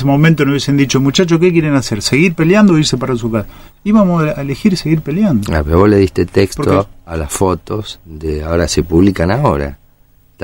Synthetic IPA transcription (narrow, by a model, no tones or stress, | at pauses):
semo̞mẽnt̪onouβjesend̪it͡ʃomut͡ʃat͡ʃokek̬jeɾenaseɾseɣiɾpeljand̪oiɾsepaɾas̬ukasiβamoaelexiɾse̞ɣiɾpe̞ljand̪oa̰peoβoleðihst̪et̪ekstpoɾoalasfo̞t̪osd̪eaoɾase̞puβlikanaoɾa̰ | t̪